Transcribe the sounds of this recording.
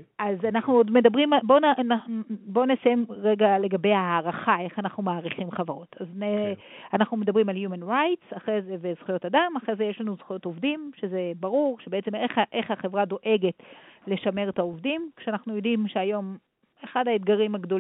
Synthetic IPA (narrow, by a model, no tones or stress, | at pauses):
ʔazanaχnuo̞dme̞dabʁimabo̞nananubo̞ne̞saje̞mʁeɡale̞ɡabe̞jaaːʁaχae̞χanaχnumaːʁiχimχavaʁo̞tʰazneanaχnume̞dabʁimaljumenʁajtsaχʁezevezχujo̞tadamaχʁezejeʃlanuzχujo̞tovdimʃe̞ze̞baʁuʁʃebeet͡semeχʔe̞χhaχevʁado̞ʔe̞ɡe̞tle̞ʃame̞ʁtaovdimkʃeanaχnujo̞dimʃeajo̞m | eχadhaed̪ɡaʁimhaɡdo